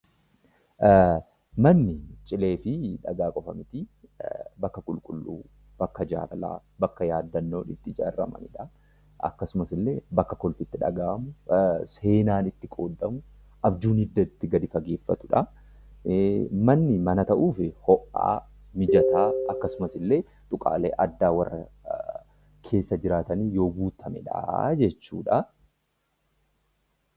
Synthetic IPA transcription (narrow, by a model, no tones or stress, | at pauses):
mɐnːɪt͡ʃʼɪle̞ːfɪᶑɐɡaːkʼɔfɐmɪt̪ɪ | bɐkːɐkʼʊlkʼʊlːṵː | b̥ɐkːɐd͡ʒa̰ːɾɐla̰ː | bɐkːɐjaːd̪ːɐnːo̞ːnɪt̪ːɪd͡ʒa̰ːrːɐ̰mɐ̰nɪᶑɐ | ɐ̰kːɐsʊmɐsɪlːe̞ːbɐkːɐkɔlfɪt̪ːɪᶑɐ̰ɡaːɐmʊse̞ːnaːnɪt̪ːɪkʼoːd̪ːɐmʊ | ʔɐbd͡ʒuːnɪd̪ːɐt̪ːɪɡɐd̪ɪfɐɡe̞ːfːɐ̰t̪ʊᶑɐ | mɐnːɪmɐnɐt̪ɐʔuːfɪhɔʔa̰ː | mɪd͡ʒɐt̪aːɐkːɐsʊmɐsɪlːe̞ː | t̪ʼʊkʼa̰ːleːʔɐd̪ːaːwɐrːɐ | kʰe̞ːsːɐd͡ʒɪɾaːt̪ɐniːjo̞ːɡuːt̪ʰɐmɛᶑa̰d͡ʒɛt͡ʃːṵːᶑɐ